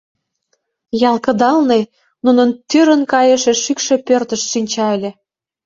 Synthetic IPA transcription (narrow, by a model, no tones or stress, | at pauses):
jɑlˠkə̆d̪ɑlne | nunənt̪yɾə̆nkɑjəʃĕʃykʃe̽pørt̪ə̆ʃʃinʲt͡ɕɑelʲĕ